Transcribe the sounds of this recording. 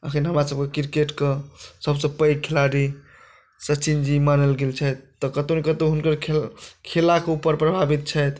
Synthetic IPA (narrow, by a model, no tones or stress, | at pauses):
əkʰənɦəmɾasəb̚kekiɾkeʈkesəbsə̃pəjɡ̚kʰilaɾi | sət͡ʃind͡ʒimanəlɡelt͡ʃʰɛjt̪ːɔkət̪onekət̪oɦunkəɾkʰkʰelakeupəɾpɾəbʱabit̪̚t͡ʃʰəjt̪